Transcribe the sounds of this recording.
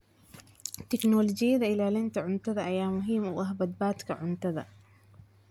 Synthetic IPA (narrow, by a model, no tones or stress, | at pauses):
t̪ɪknɔːlɔd͡ʒɪjɐðɐɪlaːlɪnt̪ɐʕʊnt̪ɐðɐʔɐjaːmʊɦiːmʊ̰ʔɐɦbɐd̪̚baːt̪kʰɐʕʊnt̪ɐðɐ̰